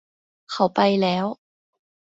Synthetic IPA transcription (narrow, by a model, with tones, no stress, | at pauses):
hɐ˨˩wpɐ˧jlɛː˨˥w